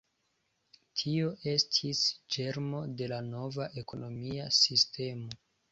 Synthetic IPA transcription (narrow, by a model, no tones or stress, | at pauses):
tʰio̞ʔe̞stʰisd͡ʒe̞ɾmo̞de̞lano̞vaʔe̞ko̞no̞miasistʰe̞mo̞